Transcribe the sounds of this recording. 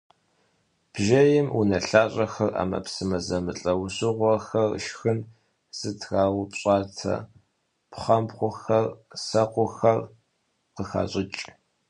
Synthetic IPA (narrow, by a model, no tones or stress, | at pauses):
b̥ʒɐjɪmunɐɬaːɕʼɐxɐra̰ːmɐ̰psɨmɐzɐmɨɬʼɐwɕɨʁʷɔxɐr̰ʃxɨn | z̥ɨtʰɣaːwpɕʼaːtʰɐ̰ | pʰχɐmpχʷʊxɐrsɐqʷʊxɐr | qəxa̰ːɕʼɪt͡ʃʼ